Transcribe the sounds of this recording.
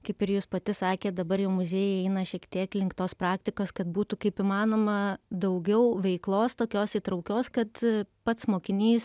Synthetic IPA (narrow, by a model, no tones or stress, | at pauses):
kɐɪpɪɾjuːspɐt̪ʲɪsɑːkʲeːt̪̚d̪ɐbɐɾjɛʊmʊzʲeːjɛɛɪnɐʃʲiɛkt̪ʲiɛklʲɪŋkt̪oːspɾɑːkt̪ʲɪkoːskɐt̪̚buːt̪ʊkɐɪpimɑːnoːmɐd̪ɐʊɡʲɛʊʋʲɛɪklˠoːst̪oːkʲoːsiːt̪ɾɐʊkʲoːskɐt̪pɐt̪smoːkʲɪnʲiːs